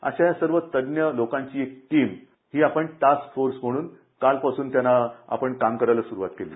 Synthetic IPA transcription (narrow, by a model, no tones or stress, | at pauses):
a̰ɕajasəɾʋət̪ədnjəlokãɲt͡ɕiːek̚ʈiːm | hiːapəɳʈaskfoɾsm̤əɽ̃uːn | kalpasuːnt̪janːaa̰pəɳkamkəɾajləsuɾuʋat̪kelḭː